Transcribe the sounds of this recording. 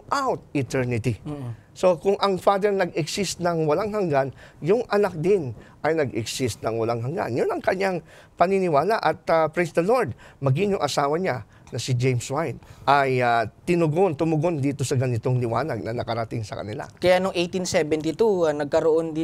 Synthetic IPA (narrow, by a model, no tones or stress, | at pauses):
ʔawt̪̚ɪt̪ɛɹnɪt̪i | so̞kʊŋʔɐŋfaːd̪ɛɹnɐɡɛɡsɪst̪̚nɐŋwɐlaŋɦɐŋɡanjʊŋʔɐnak̚d̪ɪnʔɐjnɐɡɛɡsɪst̪̚nɐŋwɐlaŋɦɐŋɡa̰njonɐŋkɐɲaŋ | pɐnɪnɪwaːlaʔɐt̪̚apɹɛsd̪ɐlo̞ɹd̪̚mɐɡɪŋjʊŋʔɐsaːwɐɲa | nɐsɪd͡ʒejmswajnʔajat̪ɪnʊɡont̪ʊmʊɡo̞nd̪iːt̪o̞sɐɡɐnɪt̪o̞ŋlɪwaːnɐɡ̚nɐnɐkɐɾɐt̪ɪŋsɐ̰kɐ̰nɪla̰kɐjanʊŋʔejt̪insɛbɛnt̪it̪uɐnɐɡ̚kɐɾoʔond̪